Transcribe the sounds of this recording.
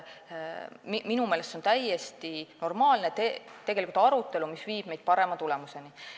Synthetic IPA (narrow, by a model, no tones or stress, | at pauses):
miminumeːle̞st̪o̞nt̪æje̞st̪ino̞rmɑːlnet̪et̪eɡe̞likult̪ɑɾut̪ˑːe̞lumisviːb̥̚me̞jd̪̥̚pɑɾe̞mɑt̪ule̞muse̞ni